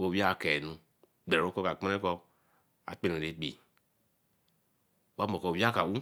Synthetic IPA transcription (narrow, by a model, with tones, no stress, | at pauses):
o˧˨wi˦a˦˨kɛ˨nũ˧ | ɡ͡bɛ˨o˦kɔ˦ka˨k͡pa˦ɛ˦kɔ˧ | a̰˨k͡pe˦nũ˨ɾe˨˦k͡pḭ˨ | wa˦mɔ˨kɔ˨wi˦a˦ka˨u˦